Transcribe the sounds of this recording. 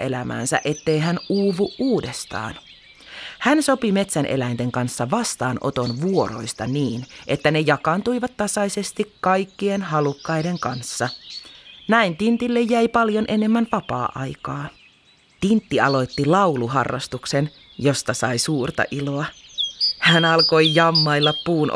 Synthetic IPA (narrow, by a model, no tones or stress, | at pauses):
ʔḛlæmæ̰ːnsæ̰ʔe̞t̪ːe̞jɦænuːʋuʔʔuːdest̪ɑ̰ːn | hænso̞pime̞t̪sænʔḛlæint̪e̞ŋkɑnsːɑʋɑst̪ɑːnʔo̞̰t̪onʋuo̞ɾo̞̰jst̪ɑniːnʔe̞t̪ːæne̞jɑkɑnt̪uiʋɑt̪ːɑsɑise̞st̪ikkɑjkːienhɑlukːɑjde̞ŋkɑnsːɑ | næint̪int̪ilːejːæjpɑljonʔene̞mːænʋɑpɑ̰ːʔɑ̰jkɑː | t̪int̪ːiɑlo̞jt̪ːilɑwluɦɑ̰rːɑ̰st̪uksen | jo̞st̪ɑsɑisuːrt̪ɑ̰ʔiloɑ | hænɑlkojjɑmːɑilːɑpːuːn